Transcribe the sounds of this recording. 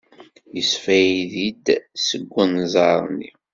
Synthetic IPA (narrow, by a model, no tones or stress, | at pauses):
jəsfæjiðid̪səɡʷːənzˤɑɾˤnḭ